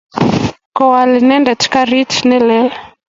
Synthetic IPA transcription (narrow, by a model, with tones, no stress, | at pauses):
kɔ˨wa˨li˨nɛ˦ndɛ˨tʰi̥˦ka˦ɾi˦tʰinɛ˦lɛ˦